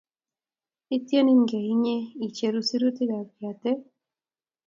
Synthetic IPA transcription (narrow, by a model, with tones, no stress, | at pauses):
i˦t̪je˦ni˦ŋɡe˨iɲe˦i˨t͡ʃe˧ɾusiɾut̪ida˨bi˨at̪e˦